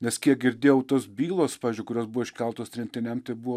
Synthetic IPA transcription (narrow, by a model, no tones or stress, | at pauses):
nʲɛskʲiɛk̚ɡʲɪɾʲd̪ʲeːjɛʊt̪oːsbʲiːlˠoːspɑːʋʲɪzʲd͡ʒʲʊɪkʊɾʲoːsbʊʋoɪʃʲkʲɛlˠt̪oːsʲt̪ʲɾʲɛnʲt̪ʲɪnʲɛmt̪ɐɪbʊʋo